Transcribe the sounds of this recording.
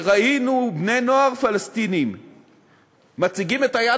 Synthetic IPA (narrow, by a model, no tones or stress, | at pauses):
ʁainubne̞jnoaʁfalast̪inim | mat͡siɡimetaja